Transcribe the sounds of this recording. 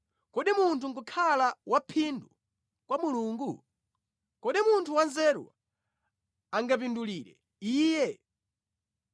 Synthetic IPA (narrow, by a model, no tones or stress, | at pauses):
kɔɗimuntʰuŋk̬ukʰalawʔapʰindu | kwamuluːŋɡu | kɔɗimuntʰuwanzɛɾwa̰ | aŋɡap̬induliɾɛ̰ | iːjɛ